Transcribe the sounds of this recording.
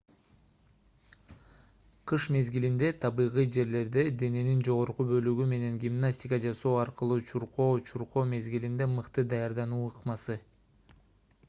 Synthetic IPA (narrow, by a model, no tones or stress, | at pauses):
qʰɯʃme̞zɡilind̪e̞t̪ʰɑβɯjʁɯjd͡ʒe̞ɾle̞ɾd̪e̞d̪e̞ne̞nind͡ʒo̞ʁo̞ɾqubø̞lyɡyme̞ne̞ŋɡʲimnasʲtʲɪkəd͡ʒɑso̞ːɑɾqɯlˠut͡ʃʰuɾqo̞ːt͡ʃʰuɾqo̞ːme̞zɡilind̪e̞mɯqt̪ɯd̪ɑjɑɾd̪ɑnuːɯqmɑsɯ